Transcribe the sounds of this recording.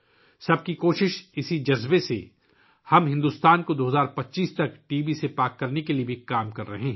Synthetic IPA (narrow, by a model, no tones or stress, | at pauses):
sɐb̚kikoːʃɪʃɪsid͡ʒɐzbesḛ | hɐmɦɪ̃nd̪uːst̪aːnkod̪oːɦɐzaːɾpɐtːʃiːst̪ɐkʈiːbisepaːkːɐɾnekeliebʱikaːmkɐɾːɐɦeɦ